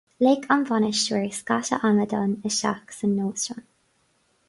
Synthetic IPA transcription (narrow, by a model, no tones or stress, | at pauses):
lekʰanvanəʃuɹskaʃə̰ʔaməd̪ɔnəʃa̰ksənːoːsɹɔn